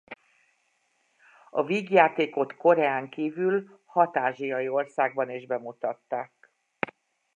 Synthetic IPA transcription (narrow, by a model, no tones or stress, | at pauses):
ɒviːɡjaːt̪eːko̞t̪ko̞ɾɛaːŋkiːvylhɒt̪aːʒijɒjio̞rsaːɡ̚bɒneːʒbɛmut̪ɒt̪ːaːk